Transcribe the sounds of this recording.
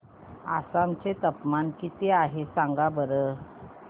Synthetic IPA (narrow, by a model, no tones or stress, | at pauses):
a̰samt͡set̪əpmankit̪eaɦesaŋɡabəɾə